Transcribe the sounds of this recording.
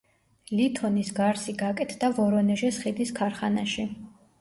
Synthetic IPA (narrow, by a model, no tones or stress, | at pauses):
lit̪ʰɔnisɡaɾsiɡakʼɛt̪ʰd̪avɔɾɔnɛʒɛsχid̪iskʰaɾχanaʃi